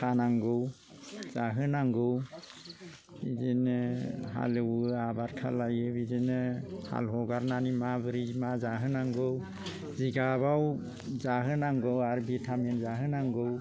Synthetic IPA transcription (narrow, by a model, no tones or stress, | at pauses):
kʰanaŋɡɯw | zaɦɯnaŋɡɯw | bizineɦa̰lewabaɾkʰa̰lajɯbizineha̰lɦɔɡaɾnanimabɯɾimazaɦɯnaŋɡɯw | ziɡaβaw | zaɦɯnaŋɡɯwaɾbetʰamenzaɦɯnaŋɡɯw